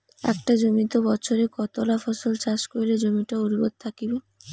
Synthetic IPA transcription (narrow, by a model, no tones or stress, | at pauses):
ɛ̰kʈad͡ʑomit̪obɔt͡ɕʰoɾekɔt̪olafɔsolt͡ɕaʃkoiled͡ʑomiʈauɾibod̪̚t̪ʰakibe